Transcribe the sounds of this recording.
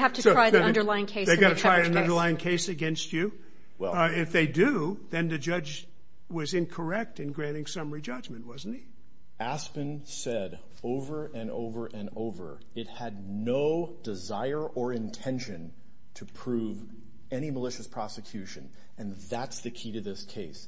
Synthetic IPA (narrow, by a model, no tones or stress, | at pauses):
hæftɨtsoʊɹ̥aɪʌ̃ndə˞laɪɪ̃ŋkʰeɪsðeɪɡɡɑɾɨtʰɹɹ̥aɪɾɨ̃nʌ̃ndə˞laɪɪ̃ŋkʰeɪsɨɡɛ̃nst͡ʃʉ | wɛɪfðeɪdʉðɨ̃nðɨd͡ʒʌd͡ʒ | wʌzɪ̃nkʰə˞ɛk̚tɨ̃nɡɹæ̃ɾ̃ɪ̃ŋsʌ̃mə˞id͡ʒʌd͡ʒmɨ̃nʔ̚wʌzn̩t̚hi | ʔæspɨ̃n | sɛɾ | oʊvə˞ʔɨ̃no̰ʊvə˞ʔɨ̃noʊvə̰˞ | ɪt̚hɨdⁿnoʊdɨzaɪə˞ʔə˞ɨ̃ntʰɛ̃nʃɨ̃n | tʰɨpʰɹ̥ʉv | ɛɾ̃iməlɪʃɨspʰɹ̥ɑsɨkʰj̥ʉʃɨ̃n | ɨ̃nðætsðɨkʰiɾɨðɪskʰeɪs